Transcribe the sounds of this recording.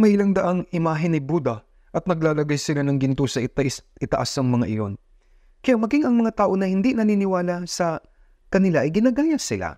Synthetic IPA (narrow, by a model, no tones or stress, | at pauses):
mɐjɪlaŋd̪ɐʔaŋɪmaːɦɪnɪbuːd̪ɐ | ʔɐt̪̚nɐɡ̚laːlɐɡajsɪlanɐŋɡɪnt̪osɐʔɪt̪asʔɪt̪ɐʔasɐŋmɐŋaʔɪjo̞̰n | kɐjamɐɡiŋɐŋmɐŋat̪aːʔo̞nɐhɪnd̪inɐniːnɪwaːlasɐ | kɐnɪlaʔɐjɡɪnaɡaːjasɪla̰